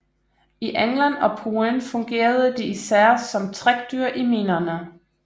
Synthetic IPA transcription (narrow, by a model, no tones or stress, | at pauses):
iʔeŋlænɒ̽pʰuənfɔ̽ŋɡ̥e̝̰ːɐð̞ˠəd̥iisæɐ̰sɒ̽mt͡sʰʁaɡ̥̚d̥yɐ̰ʔimiːnɐnə